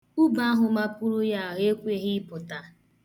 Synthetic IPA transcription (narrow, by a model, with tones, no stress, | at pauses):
u˦ba˦a˦ɦʊ˨ma˦pʊ˦ɾʊ˦ja˦˨ɦe˦kʷe˦ɦɪ˦pʊ˨ta˨